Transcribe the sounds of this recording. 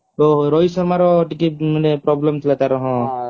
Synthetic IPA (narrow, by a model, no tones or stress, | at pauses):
oɦoɾɔjsɔɾmaɾɔʈikimanepɾɔblemt̪ʰilat̪aɾɔɦɔ̃